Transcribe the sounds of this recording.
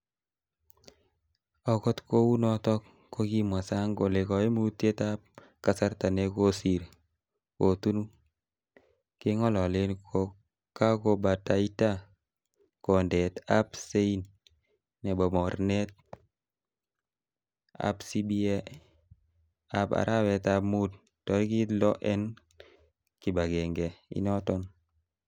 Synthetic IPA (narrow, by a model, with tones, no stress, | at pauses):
ɔ˨kɔ˦tko˦u˦nɔ˦tɔ˦kːo˦ki˦mwa˨sa˦ŋɡo˨le˨kɔ˨e˦mu˦te˦ta˦p̚ | ka˨sa˦ɾta˨ne˦ko˦si˨ɾ | ko˨tu˦n | ke˦ŋɔ˦lɔ˨le˦nko | ka˦ko˦ba˨ta˨i˦ta˦ | kɔ˨ndɛ˨ta˦pse˦i˦nː | ɛ˨bɔ˨mɔ˨ɾnɛ˦t̚ | a̰˦psi˦bi˦ɛ˦ | a˨pa̰˨ɾʔa˦wɛ˨t̪amu˦d̚ | tɔ˨ɾki˦tlɔ˦ʔɛ˦n | ki˨ba˨ɡɛ˨ŋɡɛ˨ḭ˦nɔ˦tɔ˦n